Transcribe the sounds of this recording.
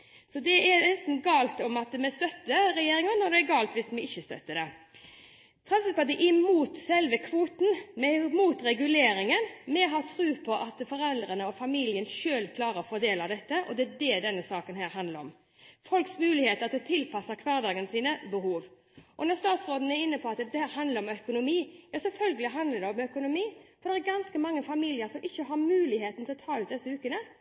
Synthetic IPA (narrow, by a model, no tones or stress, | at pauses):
sɔd̪ɛʔɛɾnɛst̪n̩ɡɑːlt̪ɔmɑt̪mɛst̪œt̪ːəɾɛjeːɾɪŋənɔd̪ɛɛɡɑːlt̪ʋɪsmɛɪçːəst̪œ̰t̪ːəd̪ɛ | t̪ʰɾɑnsət̪ɑt̪̚d̪ɛʔɪmuːt̪sɛlʋəkʰʋuːt̪n̩mɛmuːt̪ɾɛɡʉleːɾɪŋənmɛɦɑt̪ʰɾʉːpʰɔʔɑt̪fɔɾɛld̪ɾənəɔfɑmiːlɪənʃøːlkʰlɑːɾəɔfɔɾd̪eːlɑd̪ɛt̪ːəʔɔd̪ɛæd̪ɛd̪ɛnːəsɑːkənɦæːɾhɑnləɾɔm | fɔlksmʉːlɪheːt̪əɾɑt̪̚d̪ɛt̪ʰɪlpʰɑsəɾkʰʋɑːɾd̪ɑːɡənsiːnəbəɦuːʋ | ʔɔnɔɾst̪ɑːt̪sɾoːd̪ən̩æɾɪnːəpʰɔɑt̪d̪ɛhæːɾɦɑnd̪ləɾɔmœkʊnʊmiːæɾsɛlfœlɡəlɪɦɑnd̪ləd̪ɛɔmœkʊnʊmiːfɔɾd̪ɛʁæɾɡɑnskəmɑŋːəfɑmiːlɪəɾsɔmʔɪçːəɦɑɾmʉːlɪheːt̪n̩t̪ʰɪlɔt̪ʰɑːʉt̪d̪ɛsːəʉːkənə